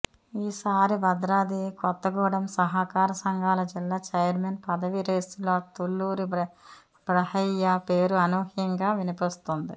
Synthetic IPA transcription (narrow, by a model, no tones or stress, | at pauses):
iːsaːɾibɐd̪ɾaːd̪ikɔt̪ːɐɡɔːɽɐmsɐɦɐkaːɾɐsɐŋɡʱaːlɐd͡ʒilːaːt͡ʃɐjɐɾmeːnpɐd̪ɐʋiɾeːsuloːt̪ulːuːɾi | bɾɐhɐjːapeːɾuɐnuːhjɐŋɡaːʋinipist̪und̪ḭ